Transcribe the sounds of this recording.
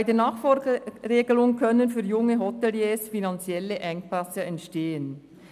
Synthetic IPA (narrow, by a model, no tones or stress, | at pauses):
b̥aɪdeːnɑːχfɔɡɾeːɡəlʊŋkʰœnənfyːjʊŋəɦɔtɛljeːsfinɑnt͡sjɛləʔɛŋkpasəɛntʃteːən